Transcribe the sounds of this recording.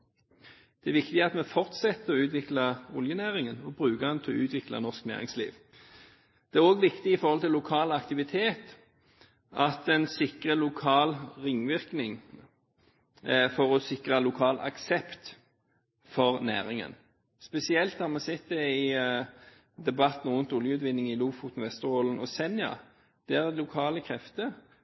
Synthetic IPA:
d̪̥ɛæɾʋɪkt̪ɪɑt̪mɛfɔʁt̪sɛt̪ːəɔʉːt̪ʋɪklɑʊljənæːʁɪŋənɔbʁʉːkəd̪ɛnt̪ʰɛɔʉːt̪ʰʋɪklɑ̰nɔʁsknæ̰ːʁɪ̰ŋslḭːʋ | d̪̥ɛæʁoːɡʋɪkt̪ɪɪfɔɾʁhɔlt̪ʰɪlːʊkʰɑːlɑkt̪ɪʋɪt̪ʰeːt̪ | ʔɑt̪ɛnsɪkʁəlʊkʰɑːlʁɪŋʋɪʁknɪŋ | fɔʁɔsɪkʁəlʊkʰɑːlɑ̰ksɛpt̪ | fɔʁnæ̰ːʁɪŋə̰n | spɛsɪɛlt̪hɑmɑsɛt̪̚d̪ɛɪ | d̪ɛbɑt̪n̩ʊnt̪ʊljəʉːt̪ʋɪnːɪŋɪluːfuːt̪n̩ʋɛst̪əʁoːlənɔsɛnjɑ̰ | d̪̥æʁæd̪lʊkʰɑːləkʰɾɛft̪ə

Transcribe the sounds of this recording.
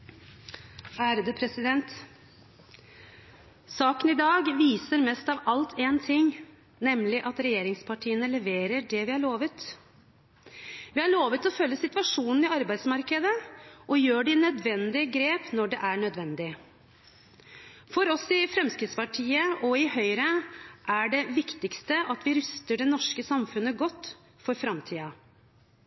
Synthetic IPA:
æːɾəd̪əpʰɾɛsɪd̪ɛnt̪ | sɑːkənɪd̪ɑːɡʋiːsəɾmɛst̪ɑʋɑlt̪ʰeːnt̪ʰɪŋː | nɛmlɪʔɑt̪ɾɛjeːɾɪŋspʰɑʈʰiːənəlɛʋeːɾəɖɛʋɪhɑɭoːʋət̪ | ʋɪhɑɭoːʋət̪ɔfœlːəsɪt̪ʋɑʂuːnn̩ɪɑɾbæɪsmɑɾkəd̪əʔɔjøːɖɪnœd̪ʋɛnd̪ɪɡɾeːpnɔɖɛʔæɳœd̪ʋɛnd̪ɪ | fɔɾɔsɪfɾɛmskɾɪːd̪spɑʈʰiːəɔɪhœʏɾəʔæɖɛʋɪkt̪ɪkst̪əɑt̪ʋɪɾʏst̪əɖɛnɔʂkəsɑmfʉnːəɡɔt̪ː | fɔɾfɾɑmt̪ʰiːɑ

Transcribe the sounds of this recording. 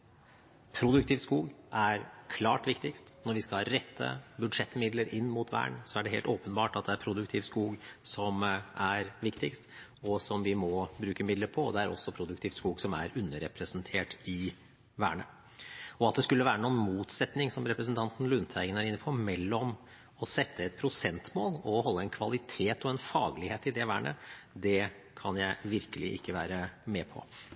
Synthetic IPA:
pʰɾʊd̪ʉk̚t̪ʰiːʋ̪skuːɡʔæɾkʰlɑ̰ːʈʋɪkt̪ɪkst̪nɔɾʋɪskɑlɑɾɛt̪ʰːə̰bʉd̪ʂɛt̪ːmɪd̪ləɾɪnːmuːt̪ʰʋæ̰ːɳsɔæɖɛɦeːlt̪oːpənbɑːʈɑt̪̚d̪ɛæɾpʰɾʊd̪ʉkt̪ʰɪːʋskuːɡsɔmʔæɾʋɪkt̪ɪkst̪ | ɔsɔmʋɪmɔbɾʉːkəmɪd̪ləɾpʰɔd̪ɛæɾʔɔ̰sːɔpʰɾʊd̪ʉk̚t̪ʰiːft̪skuːɡsɔmæɾʉnːəɾɛpʰɾəsənt̪ʰeːʈɪ | ʋæ̰ːɳə | ɔɑt̪̚d̪ɛskʉlːəʋæːɾənuːnmuːt̪sɛt̪nɪŋsɔmɾɛpɾəs̬nt̪ʰɑnt̪n̩lʉnt̪ʰæɪɡənæɾɪnːəpʰɔmɛlːɔm | ɔsɛt̪ʰːəɛt̪̚pʰɾʊsɛnt̪moːlɔɦɔlːəɛnkʰʋɑlɪt̪ʰeːt̪ɔɛnfɑːɡlɪheːt̪ɪd̪ɛʋæːɳə̰d̪ɛ | kʰɑnjæɪʋɪɾkəlɪʔɪ̰kːəʋæ̰ːɾəmɛːpʰɔ̰

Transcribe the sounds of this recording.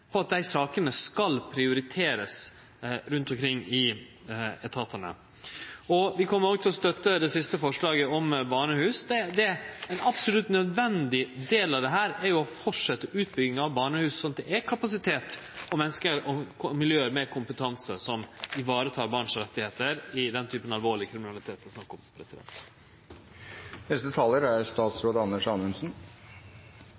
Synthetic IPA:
pʰɔɑt̪̚d̪æɪsɑːkənəskɑlpʰɾɪʊɾɪt̪ʰeːɾəs | ɾʉnt̪ɔmkʰɾɪŋːɪ | ɛt̪ʰɑt̪ənə̰ | ɔʋɪkʰɔmːəɾoːɡt̪ʰɪlɔst̪œt̪ːəd̪ɛsɪst̪əfɔʂlɑːɡəɔmbɑːɳəhʉːsd̪ɛd̪ɛɛnɑpsɔlʉt̪ːnœd̪ʋɛnd̪ɪd̪eːlɑʋd̪ɛɦæːɾɛɾjʊɔfɔʈʂɛt̪ːəʉːt̪̚bʏɡɪŋɑʋbɑːɳəhʉːssɔnd̪ɛʔɛkʰɑpɑsɪt̪ʰeːt̪ɔmɛnːskəɾɔmɪljøːəɾmeːkʰʊmpət̪ʰɑnsə̰sɔmɪʋɑːɾət̪ʰɑːɾbɑɳʂɔɾɛt̪ːɪheːt̪əɾɪd̪ɛnt̪ʰyːpənɑlʋoːɭɪkʰɾɪmɪnɑlɪt̪ʰeːt̪ɔsnɑkːɔmpʰɾɛsɪd̪ɛ̰nt̪ | nɛst̪ət̪ʰɑːləɾæɾst̪ɑːt̪sɾoːd̪əɑnːəʂɑnʉnsn

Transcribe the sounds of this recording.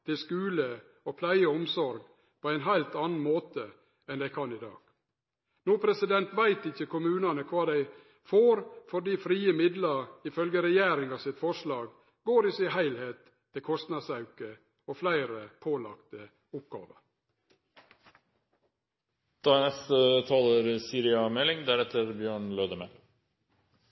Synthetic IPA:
t̪ʰɪlskʉːlə | oːpʰlæɪəɔmsɔɾɡ | pʰoːæɪnɦæɪlt̪ɑːnn̩moːt̪ə | ɛnd̪æɪkʰɑnɪd̪ɑ̰ːɡ̥ | nuːpʰɾɛsɪd̪ɛnt̪ʋæɪt̪ɪçəkʊmʉːnɑnəkʰʋɑːd̪æɪ | foːɾfɔɖiːfɾiːəmɪd̪lɑɾɪfœlɡəɾɛjæːɾɪŋɑʋsɪt̪fɔʂlɑːɡ | ɡoːɾɪsɪhæɪlheːt̪ʰː | ɪlkʰɔst̪nɑd̪sɑʉkə | oːflæɪɾəpʰoːlɑ̰kt̪ə | ʊp̚ɡɑ̰ːʋə̰ɾ | d̪̥ɑːnɛst̪ət̪ʰɑːləɾsiːɾɪɑmɛlɪŋd̪æɾɛt̪əɾbjøːɳløːd̪əmɛl

